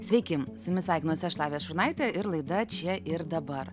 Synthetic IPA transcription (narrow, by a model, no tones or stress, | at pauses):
sʲʋʲɛɪkʲɪmsʊmʲɪsɑːɪkʲɪnoːsʲɛʃlˠɑːʋʲeːʃʊɾnɐɪt̪ʲɛʔɪɾlˠɐɪd̪ɐt͡ʃʲɛʔɪɾd̪ɐbɐɾ